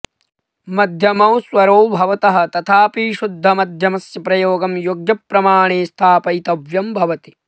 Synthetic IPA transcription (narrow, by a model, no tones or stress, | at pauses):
mɐd̪ʱjɐmɐwswɐɾoːbʱɐʋɐt̪ɐɦɐ̆t̪ɐt̪ʰaːpiːʃud̪ʱːɐmɐd̪ʱjɐmɐsjɐpɾɐjoːɡɐmjoːɡjɐpɾɐmaːɳeːst̪ʰaːpɐjt̪ɐʋjɐmbʱɐʋɐt̪i̥